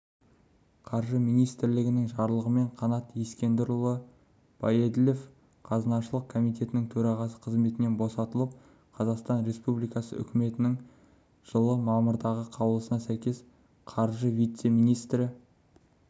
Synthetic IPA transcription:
qʰɑɾʒəmijnijst̪ɾlɪɡʲɪnɪŋʒɑɾlˠəʁəme̞ɴqʰɑnɑt̪jeskʲe̞nd̪ɪɾʊlˠə | b̥ɑjed̪ɪle̞f | qʰɑzənɑʃəlˠəq̚kʰo̞mijt̪̬ʰe̞t̪ɪnɪŋt̪ʰɵɾɑʁɑsə̥qʰəzme̞t̪ɪnenbo̞sɑt̪əlˠəp̚ | qʰɑzɑqst̪ɑnɾe̞spublijkɑsə̰ʏ̰kʲɪme̞t̪ɪnɪŋ | ʒ̥əlˠəmɑməɾd̪ɑʁəqʰɑwəlˠəsənɑsæjkʲe̞s | qʰɑɾʒəvijt̪se̞mijnijst̪ɾɪ

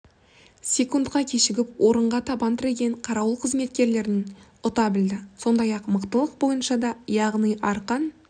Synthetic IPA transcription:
sʲe̞kund̪qɑkʲʰe̞ʃɪɡʲɪpwʔo̞ɾəɴʁɑt̪ʰɑbɑnt̪ʰɪɾe̞ɡʲe̞ɴqʰɑɾɑwəlˠqʰəzme̞t̪̚kʲe̞ɾle̞ɾɪn | ʊt̪ɑbɪld̪ɪso̞nd̪ɑjɑqməqt̪əlˠəq̚bo̞jənʃɑd̪ɑjɑʁnijɑɾqɑn

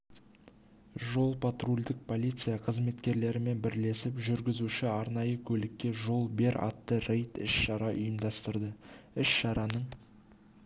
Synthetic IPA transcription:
ʒo̞lˠpʰat̪rulʲd̪ɪk̚pʰo̞lʲijt̪sɨjaqʰəzme̞t̪kʲe̞ɾle̞ɾɪme̞nbɪɾle̞sɪpʒʏɾɡʲɪzuʃɪɑɾnɑjəkʲʰɵlɪkʲːe̞ʒo̞lˠbe̞ɾɑ̰t̪ːərejt̪ɪ̰ʃʃɑɾɑʔʊjəmd̪ɑst̪əɾd̪əɪʃʃɑɾɑnəɴ

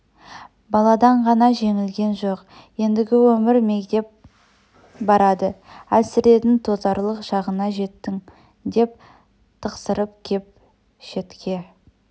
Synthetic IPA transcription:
bɑlˠɑd̪ɑɴʁɑnɑʒe̞ŋɪlɡʲe̞nʒo̞q | je̞nd̪ɪɡʲɪwɵmɪɾme̞kt̪e̞p̚ | bɑɾɑd̪əæsɪɾe̞t̪ɪnt̪ʰo̞zɑɾlˠəqʒɑʁənɑʒe̞t̪ːɪŋ | d̪e̞p̚ | t̪ʰəqsəɾəp̚kʲʰe̞p̚ | ʃe̞t̪kʲʰe̞

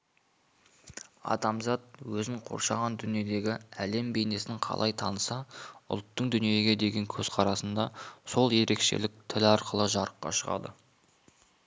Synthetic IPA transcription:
ɑ̰d̪ɑmzɑt̪̚wɵzɪɴqʰo̞̰ɾʃɑʁɑnd̪ʏnije̞d̪e̞ɡʲɪæle̞mbe̞jne̞sɪɴqʰɑ̰lˠɑjt̪ʰɑnəsɑʊ̰lˠt̪ːəɴd̪ʏnije̞ɡʲe̞d̪e̞ɡʲe̞ŋkʲʰɵz̥qʰɑɾɑsənd̪ɑso̞lˠje̞ɾe̞kʃe̞̰lɪk̚t̪ʰɪlɑɾqəlˠəʒɑɾəqːɑ̰ʃəʁɑ̰d̪ə̰

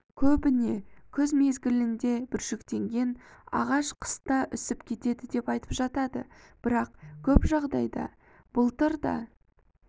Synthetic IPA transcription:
kʲʰɵbɪne̞kʲʰɵzme̞zɡʲɪlɪnd̪e̞bɪɾʒʏkt̪e̞ŋɡʲe̞nɑ̰ʁɑʃqʰə̥st̪ɑʔʏsɪpkʲʰe̞t̪e̞d̪ɪd̪e̞pɑjt̪ə̥pʒɑt̪ɑd̪ə̰ | b̥ɪɾɑqkʲʰɵpʒɑʁd̪ɑjd̪ɑ̰ | b̥ʊlˠt̪əɾd̪ɑ̰

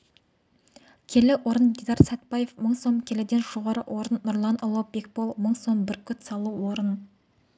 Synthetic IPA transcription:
kʲʰe̞lɪwo̞ɾənd̪ed̪ɑɾsæt̪̚bɑje̞fməɴso̞mkʲʰe̞lɪd̪e̞nʒo̞ʁɑɾəwʔo̞ɾənːʊɾlˠɑnʔolˠop̚be̞k̚bo̞lˠməɴso̞mbɪɾkʲʰʏt̪sɑlˠuwwoɾən

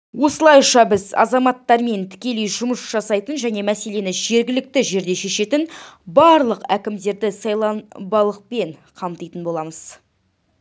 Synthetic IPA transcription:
wo̞səlˠɑjʃɑbɪzɑ̰zɑmɑt̪ːɑɾme̞nt̪ʰɪ̥kʲe̞lejʒʊməsʒ̥ɑsɑjt̪ənʒæne̞mæse̞le̞nɪʒe̞ɾɡʲɪlɪk̚t̪ɪʒe̞ɾd̪e̞ʃe̞ʃe̞t̪ɪnbɑɾlˠəqækʲɪmd̪e̞ɾd̪ɪsɑjlˠɑnbɑlˠəq̚pe̞ɴqʰɑmt̪əjt̪ənbo̞lˠɑməz̥

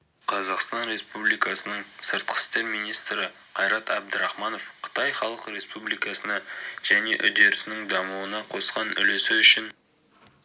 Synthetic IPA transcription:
qʰɑzɑqst̪ɑnɾe̞spublijkɑsənəɴsəɾt̪̚qʰə̥st̪e̞ɾmijnijst̪ɾɪ | qʰɑjɾɑt̪æb̚d̪ɪɾɑχmɑno̞fqʰə̥t̪ɑjχɑlˠəqɾe̞spublˠijkɑsənɑʒ̥æne̞ʔʏd̪e̞ɾɪsɪnɪŋd̪ɑmuwənɑqʰo̞sqɑnʏ̰lesɪʏʃɪn

